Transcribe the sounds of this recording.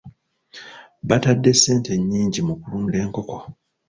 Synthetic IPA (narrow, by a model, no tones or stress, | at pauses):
batadːe̞sːe̞ːnte̞ɲːiːɲɟimukuluːnde̞ːŋko̞ko̞